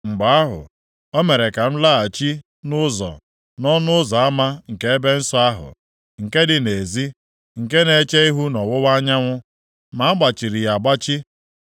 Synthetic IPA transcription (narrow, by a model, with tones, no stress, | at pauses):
ŋ͡m̩˨ɡ͡ba˨a˦ɦʊ̰˨ | ɔ˦me˨ɾe˨ka˨n̩˦la˦a˨t͡ʃi˦ | nʊ˦zɔ̰˨ | nɔ˦nʊ˦ʊ˦zɔ˨a˦ma˦ŋ̩˨ke˦e˦be˦n̩˦sɔ˦a˦ɦʊ̰˨ | ŋ̩˨ke˦dɪ˨ne˨zi˦ | ŋ̩˨ke˦ne˨˦t͡ʃe˦i˦ɦu˦nɔ˨wʊ˦wa˦ɲa˦ŋʷʊ˦ | ma˨a˦ɡ͡ba˨t͡ʃi˨ɾi˨ja˨ɡ͡ba˦t͡ʃi˦